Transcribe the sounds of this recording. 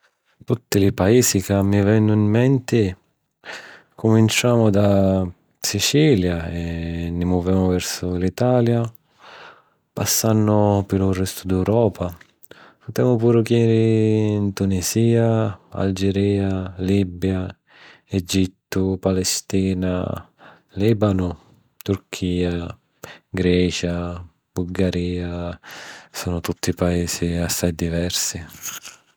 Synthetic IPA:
t̪ut̪ːɪlɪpaiːsikamːivɛnːʊimːɛnt̪ɪ | kʰʊmint͡ʃaːmʊd̪a | sit͡ʃiːljaɛnːɪmɔvɛːmʊvɛɾsʊlit̪aːlja | pasːanːʊpɪlʊrːɛst̪ʊd̪ɛwɾɔːpʰa | pʊt̪ɛːmʊpuːɾʊkɛɾɪint̪unisiːaa̰ld͡ʒeɾiːaliːbja | ed͡ʒit̪ːʊpalɛst̪iːna̰ | liːbanʊ | t̪urkʰiːa | ɡɾɛːt͡ʃa | b̥ulɡaɾiːa | sɔːnʊt̪ut̪ːipaɛːsiasːajd̪ivɛrsi

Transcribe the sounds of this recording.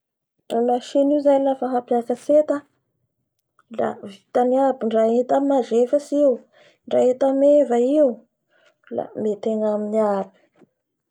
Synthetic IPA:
ramaʃiniuzajlafaɦapjakat͡set̪a | la̰vit̪aniabiɳɖ͡ʐaet̪amazefəsiw | ɳɖ͡ʐaet̪amevaiu | la̰met̪eŋaminiaɾu̥

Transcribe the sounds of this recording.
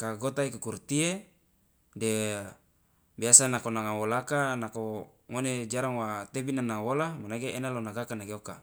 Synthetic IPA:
kaɡot̪aikakurt̪ie | de | biasanakonaŋawolakanako | ŋoned͡ʒaɾaŋwat̪ebinanaŋwolamanaɡeenalonaɡakanaɡeoka

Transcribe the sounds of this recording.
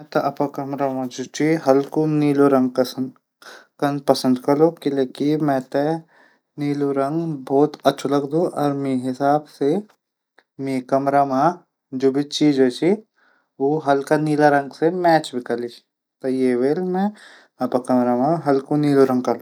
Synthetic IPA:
mɛ̃t̪ɐʔɐpakɐmɾamãd͡ʒoːt͡ʃiɦɐlkuniːloɾɐ̃ŋɡ̚kɐs | kɐnpɐsə̃nd̪kɐlokileːkimɛ̃ːt̪e | niːluɾɐ̃ŋɡbɔːt̪ɐtːʃʰulɐɡd̪ũʔɔːɾmĩɦɪsaːbse | mĩkɐmɾamã | d͡ʒoːbʱit͡ʃiːd͡ʒoːt͡ʃʰi | oːɦɐlkaniːlaɾɐŋɡsemɛːt͡ʃbʱikɐlit͡ʃʰ | t̪ɐjeʋeːlmɛ̃ | ɐpakɐmɾamãɦɐlkuniːloɾɐ̃ŋɡ̚kɐlo

